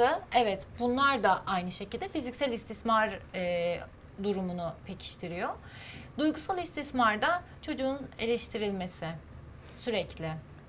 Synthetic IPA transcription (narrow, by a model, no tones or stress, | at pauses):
ɯɛvɛt̪bunlˠaɾd̪aʔajnɯʃecilʲd̪ɛfizicsælʲist̪ʰismaɾ | d̪uɾumunʊpʰecʰi̥ʃt̪ʰiɾijo | d̪ujɡusalˠist̪ʰismaɾd̪a | t͡ʃʰo̞d͡ʒuːne̞lʲɛʃt̪ʰiɾilʲme̞sɪ | syɾɛclʲɪ